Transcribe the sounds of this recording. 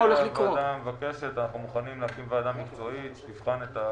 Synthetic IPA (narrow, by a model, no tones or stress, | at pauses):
oleχlivkːod̪amvake̞ʃe̞t̪anaχnumuχanimleakimvead̪amːikt͡so̞ittivχanet̪a